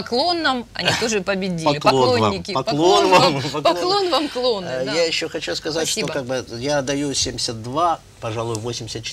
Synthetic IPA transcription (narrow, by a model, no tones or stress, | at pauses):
pɐklˠo̞nːɐmɐ̰nʲit̪oʐɨpəbʲɪdʲilɪklɐlˠonʲːɪkʲɪɐklˠonnvampɐklˠo̞nvamklˠo̞nːəjajɪɕːoxɐt͡ɕuskɐzatsʲʂtiobkaɡ̚bɨjad̪ɐjusʲemʲdʲɪsʲət̪̚d̪va | pɐʐalˠʊjʊvosʲɪmʲdʲɪsʲət̪t͡ɕɪ̥